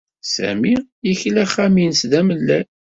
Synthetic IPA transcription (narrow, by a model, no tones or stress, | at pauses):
sæ̰mi | içlæχæminsðæməlːæ